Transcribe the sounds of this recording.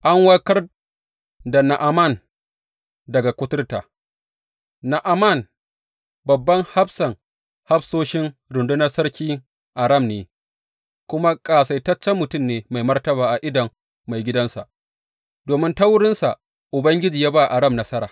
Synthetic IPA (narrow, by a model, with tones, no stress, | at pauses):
ʔa˦ŋwɐ˦kɐ˦r | da˨na˨ʔa˨ma˦˨n | dɐ˨ɡa˨kʷʊ˦tʊ˦rtaː˨ | na˨ʔa˨ma˦˨n | bɐ˨bːɐ˦ŋha˦bsɐ˨ŋ | ha˦bsoː˦ʃɪ˦ŋɾʊ˨ndʊ˦nɐ˦rsɐ˦ɽkʲiː˦ | ʔa˨ɾɐ˦˨mneː˨ | kʷʊ˦ma˦kʼaː˨sa˨jtɐ˦t͡ʃːɛ˦mːʊ˨tʊ˦˨mneː˨ma˨jmɐ˦rtɐ˦baː˨ʔa˨ʔɪ˦dɐ˨ŋː | a˨jɡʲɪ˦dɐ˦nsa˨ʔ | doː˨mɪ˦nta˦wʊ˦ɽɪ˦nsa˨ | ʔʊ˨bɐ˦ŋɡʲɪ˦d͡ʒiː˨jaː˦baː˦˨ʔa˨ɽɐ˦mnɐ˦sɐ˦ɾaː˨